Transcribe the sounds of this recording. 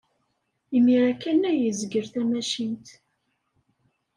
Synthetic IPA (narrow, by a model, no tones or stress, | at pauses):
imiɾækænæjəzɡəɾθæmæʃint̪